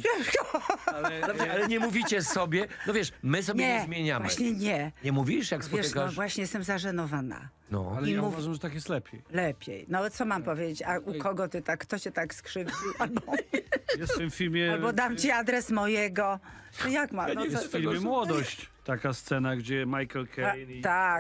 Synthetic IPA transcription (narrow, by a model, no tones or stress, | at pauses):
ɛʂkɔaɛalɛɲɛmuvʲit͡ɕɛsɔbʲjɛnɔvʲjɛʂmɘsɔbɲʲjɛmʲjeɲamvmaɕɲɛɲɛɲɛmuvʲiiʂjakssvɔjɛaavwaɕɲɛjɛst̪ɛmzaʐɛnɔvana̰ | nɔ̰alɛijmauvaʐamʐɛt̪akjɛst̪lɛpʲjejlɛpʲjḛjnɔt̪sɔmampɔvʲjed͡ʑet͡ɕaukɔɡɔt̪ɨt̪akt̪ɔɕɛt̪akskʂɘvd͡ʑiʔalbɔjɛstt̪ɪmffʲilmʲjɛabɔd̪amt͡ɕiad̪ɾɛsmɔjɛɡɔ | ɨjakmajɛsfɛilmjɛmwɔd̪ɔɕt͡ɕt̪akast̪sɛnaɡd͡ʑɛmajkɛlkʰɛnt̪a